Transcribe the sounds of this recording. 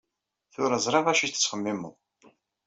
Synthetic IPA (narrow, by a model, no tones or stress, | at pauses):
θʊɾəzˤɾˤɑʁæʃit̪ːə̥t͡sːχəmːiməðˤ